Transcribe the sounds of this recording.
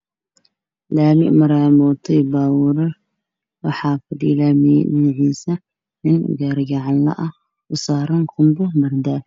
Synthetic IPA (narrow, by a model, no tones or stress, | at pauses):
laːmɪ̰ʔmɐɾaːmɔːt̪ʰɐjbaːwʊɾɐ | wɑħɑːfɐd̪iːlaːminɪʕisɐ | nɪnɡaːɾɡaʕalɐ̰ʔɐ | ʊsaːɾɐnkʰʊmbʊmɐɾd̪aː